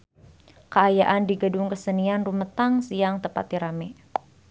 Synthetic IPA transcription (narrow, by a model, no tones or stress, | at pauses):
kəajaʔandiɡədʊŋkəsənianrumət̪aŋsiaŋt̪əpa̰t̪̚iɾamɛ